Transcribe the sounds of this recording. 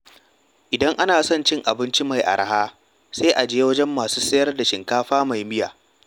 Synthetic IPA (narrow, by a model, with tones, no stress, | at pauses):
ʔɪ˨dɐ˦ŋʔa˦naː˨sɔ˦nt͡ʃɪ˦ŋʔa˨bɪ˦nt͡ʃi˦ma˨jʔa̰˨ɽa˨haː˦ | sa˦ʔa˨d͡ʒeː˦wɐ˦d͡ʒɛ˦mːaː˨suː˦sɐ˦jɐ˦rda˨ʃɪ˨ŋkaː˦ɸaː˦ma˨jmɪ˦ja̰ː˨